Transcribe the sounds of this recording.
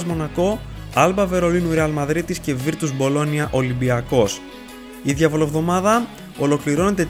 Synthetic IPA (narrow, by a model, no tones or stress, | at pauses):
zmo̞nɐko̞ | ɐlbɐve̞ɾo̞linuɾeɐlmɐðɾit̪isce̞viɾt̪uzbo̞lo̞niɐʔo̞limbiɐko̞s | iðʝɐvo̞lovðo̞mɐðɐ | o̞lo̞kliɾo̞ne̞t̪e̞